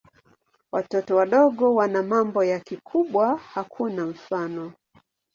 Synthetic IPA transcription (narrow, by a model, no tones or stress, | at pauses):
watɔtɔwaɗɔɠɔwanamambɔjakikʰuɓwahakʰunam̩fanɔ